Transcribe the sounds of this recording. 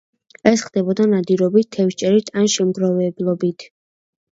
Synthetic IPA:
ɛsχd̪ɛbɔd̪anad̪iɾɔbit̪t̪ʰːɛfʃt͡ʃʼɛɾit̪ʰanʃɛmd̪ɾɔvɛblˠɔbit̪ʰ

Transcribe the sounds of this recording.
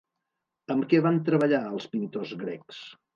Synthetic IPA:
əmkɛβant̪ɾəβəʎaəlˠspint̪ozɣɾeks

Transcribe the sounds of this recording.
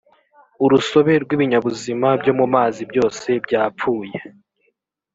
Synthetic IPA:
uɾuso̞βe̞ɾɡwiːβiɲaβuzimabɟo̞ːmumaːzibjo̞ːse̞bɟaːpuːje̞

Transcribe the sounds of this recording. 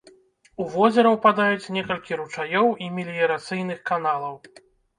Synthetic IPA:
uvɔzʲɛɾɐwpad̪ajut͡sʲnʲɛkɐlʲkʲiɾut͡ʂajɔwimʲilʲijɐɾat̪sɨjn̪ɨxkanalˠɐw

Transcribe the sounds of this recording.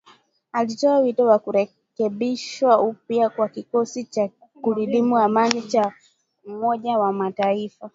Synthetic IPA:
alit͡ʃɔawitɔwakuɾɛ | kɛɓiʃwaupjakwakikɔsit͡ʃa | kuliɗimuamanit͡ʃa | m̩mɔʄawamataifa

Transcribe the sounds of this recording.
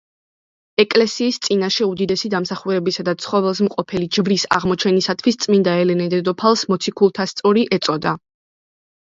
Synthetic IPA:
ɛkʼlɛsiːst̪sʼinaʃɛud̪id̪ɛsid̪amsaχuɾɛbisad̪at̪sʰχɔvɛlˠsmqʼɔpʰɛlid͡ʒvɾisa̰ʁmɔt͡ʃʰɛnisat̪ʰvwist̪sʼmind̪aɛlɛnɛd̪ɛd̪ɔpʰalˠsmɔt̪sʰikʰulˠt̪ʰast̪sʼɔɾiʔɛt̪sʼɔd̪a

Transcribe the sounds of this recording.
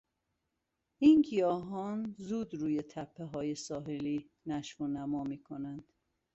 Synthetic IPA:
iːnkijɒːɦɒːnzuːd̪ɾuːje̞t̪ʰæpʰːeɦɒːjesɒːɦeliː | næʃfonæmɒːmiːkʰonænd̪̥

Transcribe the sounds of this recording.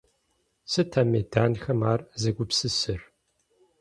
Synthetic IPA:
sɨtʰaːmedaːnxɐmaːrzɐɡʷʊpsɨsɨr

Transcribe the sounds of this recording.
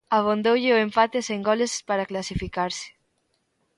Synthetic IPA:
aβ̞ond̪owʎɪoeɱfat̪eseŋɡɔlespaɾaklasifikaɾsɪ̥

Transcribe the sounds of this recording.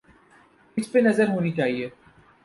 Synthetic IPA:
ɪt͡ʃpenɐzəɾɦoːnit͡ʃaːɦieː

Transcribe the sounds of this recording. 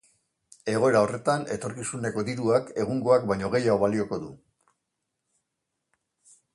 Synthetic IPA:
e̞ɣo̞e̞ɾao̞re̞t̪ane̞t̪o̞ɾkisune̞ko̞d̪iɾuake̞ɣuŋɡo̞ak̚bajɲo̞ɣe̞jaoβalio̞ko̞ðu

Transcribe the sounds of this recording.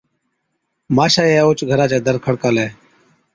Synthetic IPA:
maːʃaːeoːt͡ʃɡʱəɾaːt͡ʃeːd̪əɾkʰəɽkaːleː

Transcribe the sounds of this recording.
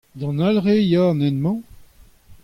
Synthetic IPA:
d̪ɑ̃nalʁejanɛnmɑ̃

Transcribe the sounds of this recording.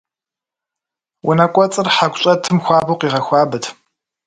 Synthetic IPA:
wʔʊnɐkʷʼɔt͡sʼɨrħaɡʷʼɕʼɐtʰɨmxʷɑːbowqiːʁɐxʷɑːbɨtʰ

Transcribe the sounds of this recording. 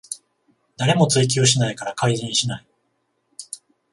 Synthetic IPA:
d̪aɾe̞mo̞t͡sɨik̬ʲio̞ɕ̬inaikaɾakaizĩɲiɕinai

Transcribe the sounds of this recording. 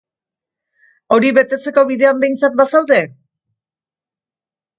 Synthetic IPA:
o̞ɾiβe̞t̪e̞t͡se̞ko̞βiðe̞ambe̞jnt͡sat̪̚basaw̪d̪e̞

